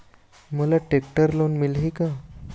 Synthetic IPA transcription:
məlaʈekʈəɾlonmilɦika

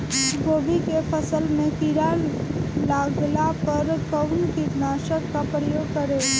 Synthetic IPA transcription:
ɡoːbikepʰəsəlmẽkiɾallaːɡlapɐɾkəʊnkinaːʃəkːapɾəjoːɡ̚kəɾe

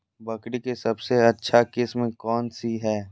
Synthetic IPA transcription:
bɐkɽikesɐbseɐtːʃʰakɪsmekɔːnsiɦɛː

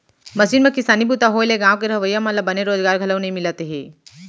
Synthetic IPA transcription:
mɐsiːnmẽkɪsaːnibuːt̪aɦoːeleɡãːʋkeɾɐʋəjːamalabɐneɾoːzɡaːɾɡʱɐləʋnɐĩmɪlət̪eɦeː

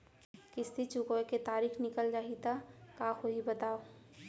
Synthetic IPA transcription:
kɪst̪it͡ʃʊkoeket̪aːɾiːxʰnɪkəld͡ʒaːɦit̪akaxoɦibɐt̪aːo

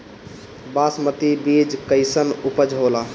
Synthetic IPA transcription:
basmət̪ibid͡ʒkəɪsənupəd͡ʒɦola

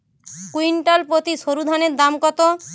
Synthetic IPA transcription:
kuiɳʈalpɾot̪iʃoɾud̪ʱaneɾd̪amkɔt̪o

